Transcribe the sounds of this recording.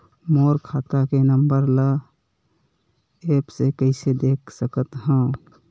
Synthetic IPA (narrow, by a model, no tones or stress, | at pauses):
moːɾkʰaːt̪akenəmbəɾlə | eːpsekəɪsed̪eːkʰsəkət̪ɦə̃